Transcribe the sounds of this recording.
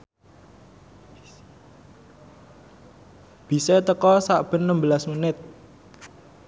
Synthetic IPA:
b̥i̤set̪əkɔsaʔb̥ə̤nːəmbəlasmunɪt̪̚

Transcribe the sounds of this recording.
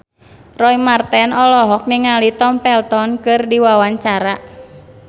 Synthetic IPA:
rɔimart̪ɛnɔlɔɦɔk̚niŋalit̪ɔmpɛlt̪ɔnkɨrdiwawaɲt͡ʃaɾa

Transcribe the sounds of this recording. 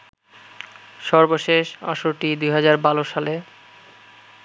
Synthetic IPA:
ʃɔɾboʃeʃa̰ʃoʈid̪ujɦad͡ʑaɾbaloʃale

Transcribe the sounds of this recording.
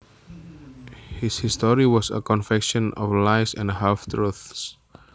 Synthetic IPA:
hɪshɪstɔɹiwɔsə̰kɔ̃nfɛkʃɔ̃nɔ̰vlaɪsɛ̃ndɦɛlft̪ʰɹuθs

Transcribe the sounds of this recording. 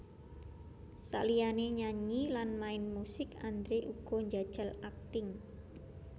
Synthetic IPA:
sa̰ʔlijaneɲaɲilanmaɪnmusɪkand̪ɾeʔuɡ̥ɔ̤ɲd͡ʒad̥ʒ̥ə̤lak̚t̪ɪŋ

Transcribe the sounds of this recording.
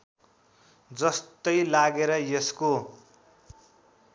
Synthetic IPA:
d͡zʌst̪ʌjlaɡeɾʌjesko

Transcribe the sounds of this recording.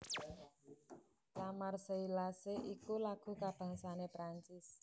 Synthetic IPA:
t̪amarsəilaseʔikulaɡ̥ṳkab̥ä̤ŋsanepɾaɲt͡ʃɪs

